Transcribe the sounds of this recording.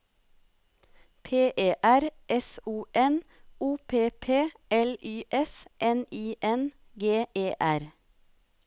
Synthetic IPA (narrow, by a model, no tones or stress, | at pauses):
pʰeːʔeːʔæɾʔɛsuːʔɛnuːpʰeːpʰeːɛlyːʔɛsʔɛniːʔɛn | ɡeːʔeːʔæɾ